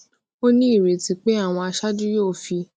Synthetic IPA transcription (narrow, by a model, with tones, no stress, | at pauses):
o˦nĩ˦i˦˨ɾe˨tĩ˧k͡pe˦a˦˨w̃ɔ̃˧a˧ʃa˦d͡ʒu˦jo˦˨fi˧